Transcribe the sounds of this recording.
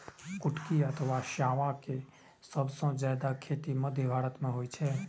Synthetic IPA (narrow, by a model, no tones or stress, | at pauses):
kuʈkiət̪ʰʋaʃjaʋake | səbsə̃d͡ʒad̪akʰet̪iməd̪ʱjəbʱaɾət̪mẽɦojt͡ʃʰɛ